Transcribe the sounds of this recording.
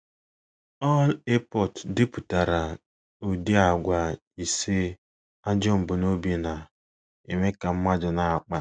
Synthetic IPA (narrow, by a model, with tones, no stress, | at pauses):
ɔ˦le˦pɔ˦˨tdɪ˦pʊ˨ta˨ɾa˨ | o˨di˦a˨ɡʷa˨ | i˨se˦ | a˦d͡ʒɔ˦m̩˨bʊ˨no˦be˨na˨ | e˨me˦ka˨m̩˦ma˦d͡ʒʊ˨na˨a˨k͡pa˨